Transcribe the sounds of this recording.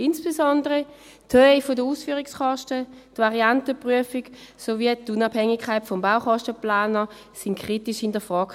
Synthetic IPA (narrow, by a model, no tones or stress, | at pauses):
insb̥esɔndəʁə | tʰhøɪfodəuːsfyːʁiksχɔʃtətvaʁiantəpʁyəfiksoviətunabhɛŋikʰaɪtfɔmbaʊχɔʃtəplaːnə | sɪŋkʰʁ̥itiʃhɪndɐfʁɔːk